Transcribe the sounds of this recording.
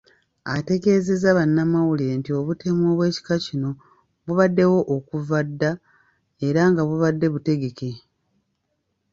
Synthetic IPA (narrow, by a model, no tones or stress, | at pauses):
a̰te̞ɡe̞ːzezaβanːamawulentio̞βute̞mwoːβwe̞ːci̥kacino̞ | βuβadːe̞wo̞ʔokuvadːa | e̞ɾaŋɡaβuβadːe̞βute̞ɡe̞ke̞